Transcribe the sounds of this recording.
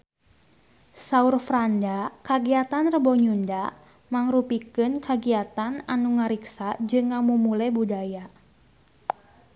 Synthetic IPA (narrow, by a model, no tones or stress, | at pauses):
saurfɾandakaɡiat̪anrəbɔɲunda | maŋrupikɨnkaɡiat̪ananuŋaɾiksad͡ʒɨŋːamumulɛbudaja